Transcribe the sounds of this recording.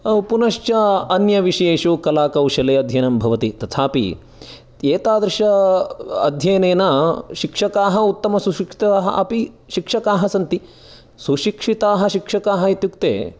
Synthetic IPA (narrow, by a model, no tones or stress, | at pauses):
punɐʃt͡ʃɐɐnjɐʋiʂɐjeːʃukɐlaːkɐwʃɐleːɐd̪ʱjɐnɐmbʱɐʋɐt̪it̪ɐt̪ʰaːpḭ | eːt̪aːd̪ɾɨʃɐ | ɐ̰d̪ʱjɐjneːnɐʃikʂɐkaːɦɐut̪ːɐmɐsuʃikʂi̥t̪aːɦɐ̰ʔɐpi | ʃikʂɐkaːɦɐsɐnt̪i | suʃikʂit̪aːɦɐʃikʂɐkaːɦɐit̪jukt̪ḛː